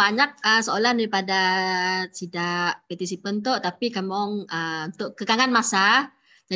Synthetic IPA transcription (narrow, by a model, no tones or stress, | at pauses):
aɲak̚əsəolahndaɾipada | sidaʔpat̪is̬ipənt̪oʔt̪apikamɔŋəunt̪ʊʔkəkaŋanmasa | d͡ʒa